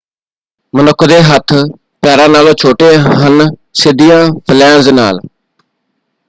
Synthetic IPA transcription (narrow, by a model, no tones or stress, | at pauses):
mənʊkʰːd̪eːɦət̪ʰ | pɛːɾãːnaːlõːt͡ʃʰoːʈeːɦənsɪd̪ijãːpʰəlɛ̃ːnzna̰ːl